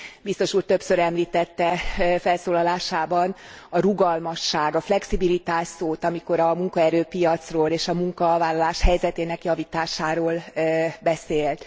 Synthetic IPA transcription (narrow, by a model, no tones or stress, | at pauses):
bist̪o̞ʃuːrt̪ø̞psøɾɛmliːt̪ɛt̪ːɛfɛlsoːlɒlaːʃaːbɒn | ɒɾuɡɒlmɒʃːaːɡɒflɛksibilit̪aːʃsoːt̪ɒmiko̞ɾɒmuŋkɒɛɾøːpijɒt̪sroːleːʃɒmuŋkɒvaːlːɒlaːʃhɛjzɛt̪eːnɛkjɒviːt̪aːʃaːɾoːlbɛseːlt̪